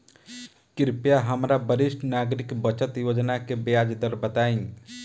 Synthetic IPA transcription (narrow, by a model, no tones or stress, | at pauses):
kɪɾpjaɦɐmɾabəɾɪʃʈnaːɡɾɪkbət͡ʃət̪joːd͡ʒnakebeaːd͡ʒd̪əɾbət̪aːĩ